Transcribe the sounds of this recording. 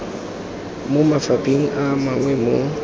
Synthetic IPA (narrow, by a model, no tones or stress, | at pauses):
mʊmafapʼeŋ̩ʔamaŋwɛmo